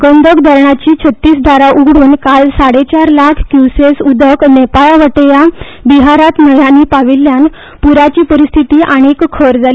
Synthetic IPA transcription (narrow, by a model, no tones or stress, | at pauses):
ɡənd̪ʱəkd̪ʱəɾɳat͡ɕiːt͡ɕʰət̪ːiːsd̪ʱaɾaʔuɡɽuːnkalsaɽet͡ɕaɾlakʰkjusesud̪ʱəknepaɭaʋəʈja | biɦaɾat̪nəjaniːpaʋilːjan | puɾat͡ɕiːpəɾist̪ʰit̪iːʔaɽ̃ikkʰəɾd͡zali